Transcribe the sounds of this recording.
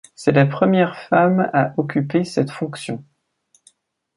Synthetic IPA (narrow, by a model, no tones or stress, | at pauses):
sɛlapχəmjɛʁfamaʔɔkʲypesɛt̪fɔ̃ksjɔ̃